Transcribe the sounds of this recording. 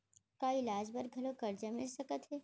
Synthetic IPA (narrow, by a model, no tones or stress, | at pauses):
kaɪlaːd͡ʒbɐɾɡʱɐlõkɐɾd͡ʒamɪlsɐkət̪ɦɛː